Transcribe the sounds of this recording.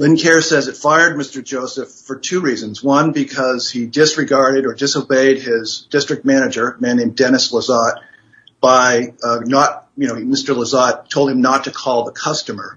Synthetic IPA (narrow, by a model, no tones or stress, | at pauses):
lɪ̃nkʰɛɹsɛzɨtfaɪə˞d̚mɪstə˞d͡ʒoʊsɨfə˞tʰʉɹizɨ̃nzwʌ̃nbɨkʰʌz̥idɪsɹɨɡɑɹɾɨɾə˞dɪsoʊbeɪd̚ɪzdɪstɹ̥ɨk̚t̚mæñɨd͡ʒə˞mæ̃nːẽɪ̃mdɛñɨsləzɑt̚ | b̥aɪnət̚jɨñoʊmɪstə˞ləzɑtʰoʊlˠd̚hɨ̃mnətʰɨkʰɔlˠðəkʰʌstɨmə˞